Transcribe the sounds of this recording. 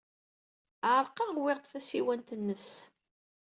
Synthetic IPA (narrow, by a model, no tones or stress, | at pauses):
ʕəɾˤqɑwɪʁqθæsiwænt̪ənːəs